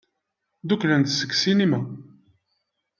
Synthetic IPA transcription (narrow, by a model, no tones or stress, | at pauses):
d̪uklænt̪səkːsinima